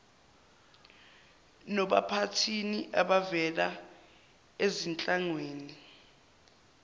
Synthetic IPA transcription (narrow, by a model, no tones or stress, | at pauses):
nɔɓapʰatʰiniʔaɓavɛla | ezint͡ɬʼaŋweːni